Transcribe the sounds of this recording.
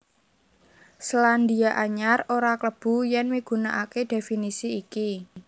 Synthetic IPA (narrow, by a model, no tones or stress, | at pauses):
sland̪iaʔaɲaroɾakləb̥ṳjɛnmiɡ̥ṳnaʔaked̪̥e̤finisiːki